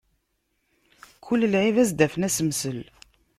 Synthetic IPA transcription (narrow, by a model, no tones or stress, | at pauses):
kʰʊlːəlʕivæzd̪æfənæsəmsəl